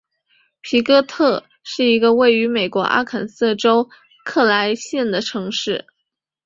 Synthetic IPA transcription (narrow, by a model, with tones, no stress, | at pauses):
pʰi˧˥kɤ˥t̪ʰɤ˥˧ | ʂɻ̩˥˩i˧˥ɡə˧we˥˩ɪy˧˥me˨˩ɪkwɔ̰˧˥ʔa̰˥kʰə˨˩nsɤ˥˩ʈ͡ʂo˥ʊ | kʰɤ˥˩la˧˥ɪɕjɛ˥˩nd̪ə˩ʈ͡ʂʰɤ˧˥ŋʂɻ̩˥˩